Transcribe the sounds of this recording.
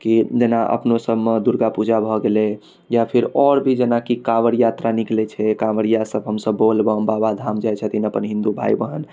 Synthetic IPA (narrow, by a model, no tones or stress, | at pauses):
kid͡ʒenaʔə̰pnosəbmed̪uɾɡapud͡ʒʱabʱɔɡelɛ | japʰiɾɔɾbʱid͡ʒenakikaʋəɾjat̪ɾaniklɛt͡ʃʰɛkaʋəɾijasəbɦəmsəbːolbəmbabad̪ʱamd͡ʒajt͡ʃʰət̪ʰinəpənɦĩnd̪ubʱa̰jbəɦən